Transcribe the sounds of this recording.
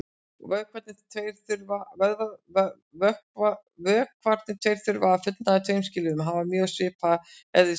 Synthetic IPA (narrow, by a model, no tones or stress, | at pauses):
vœːkʰvɛɾt̪nɪt̪ʰejɾθʏɾvavɛɾðav | vœhkva | vœːkʰːvaɾ̥t̪nɪt̪ʰejɾ̥θʏɾvaafʏt̪naðɪt̪ʰejmscɪːlɪʏmɦavamjœːɣsvɪːpaɛððɪ